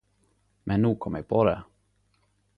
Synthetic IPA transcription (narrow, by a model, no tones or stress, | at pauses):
mʔɛnːuːkʰɔmːjɛpʰod̪ɛ